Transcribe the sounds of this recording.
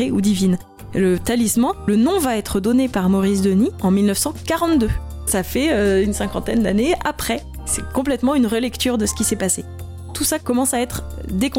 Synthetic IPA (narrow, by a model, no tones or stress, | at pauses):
eud̪ivin | lət̪alismɑ̃lənɔ̃vaɛt̪χəd̪ɔnepaʁmɔʁisd̪əniɑ̃milnəfsɑ̃kaʁɑ̃t̪d̪ø | safɛøynsɛ̃kɑ̃t̪ɛnd̪a̰neapχɛ | sɛkɔ̃plɛt̪mɑ̃ynʁəlɛkt̪yʁd̪əsə̥kʲisɛpase | t̪usakɔmɑ̃saɛt̪χd̪ekɔ̃